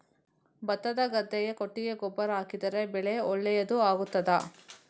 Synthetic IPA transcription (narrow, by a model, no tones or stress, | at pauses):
bɐt̪ːɐd̪ɐɡɐd̪ːɛjekoʈːiɡe̞ɡɔbːɐɾɐɦaːkid̪ɐɾe̞bɛɭeɔɭːɛjɐd̪uaːɡut̪ːɐd̪ɐ